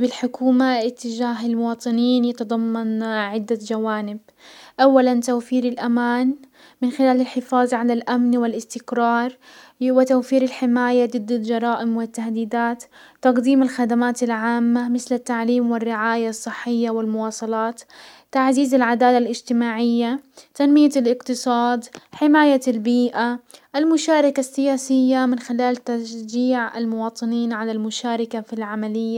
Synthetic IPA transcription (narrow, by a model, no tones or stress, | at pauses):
bɪlħʊkʰuːmaʔɪt̪ːɪd͡ʒaːɦɪlmʊwɑːt̪ˤɨniːnjɑt̪ɑd̪ˤɑmːɑnʕɪd̪ːad͡ʒawaːnɪb | ʔawːalant̪awfiːɾɪlʔamaːn | mɪnxɪlaːlɪlħɪfɑːðˤʕalalʔamnwɪlɪst̪ɪkɾɑːɾˤ | wɪt̪awfiːɾɪlħɪmaːjad̪ˤɨd̪ːald͡ʒɑɾˤɑːʔɪmwɪt̪ːahd̪iːd̪aːt̪ː | ɑqd̪iːmɪlxad̪amaːt̪ɪlʕaːmːamɪθlɪt̪ːaʕliːmwɪrːɪʕaːjasˤːɨħːɪjːawɪlmʊwɑːsˤɑlɑːt̪ | t̪ːaʕziːzɪlʕad̪aːlalʔɪd͡ʒt̪ɪmaːʕɪjːat̪anmɪjalʔɪqt̪ɨsˤɑːd̪ħɪmaːjalbiːʔaʔalmʊʃaːɾˤɑkasːɪjaːsɪjːamɪnxɪlaːlt̪aʃd͡ʒiːʕa̰lmʊwɑːt̪ˤɨniːnʕalalmʊʃaːɾˤɪkafilʕamalɪjːa